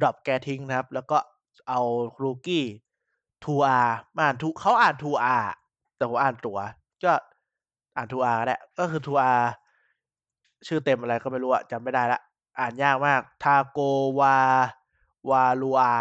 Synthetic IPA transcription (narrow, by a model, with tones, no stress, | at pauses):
dɔ˨˩p̚kɛː˧t̪ʰi˦˥ŋna˧kʰa˦˥p̚lɛː˦˥wkɔː˥˩ | ʔa˧wkʰɾuː˧kiː˥˩ | t̪ʰuː˧ʔaː˧mʔaː˨˩nt̪ʰuː˧kʰa˦˥wʔaː˨˩nt̪ʰuː˧ʔaː˧˩ | t̪ɛː˨˩pʰo˨˦mʔaː˨˩nt̪u˨˩˦ɐ˦ | kɔː˥˩ | ʔaː˨˩nt̪ʰuː˧ʔaː˧ka˧nlɛ̰˨˧˩kɔː˥˩kʰɯː˧t̪ʰuː˧ʔaː˧ | t͡ɕʰɯː˥˩t̪e˧mʔa˧ɾa˧jkɔː˥˩ma˥˩jɾuː˦˥a̰˨˩t͡ɕa˧mːa˥˩jda˥˩jla˦˥ʔ | ʔaː˨˩njaː˥˩k̚maː˥˩k̚t̪ʰaː˧koː˧waː˧ | waː˧luː˧ʔaː˧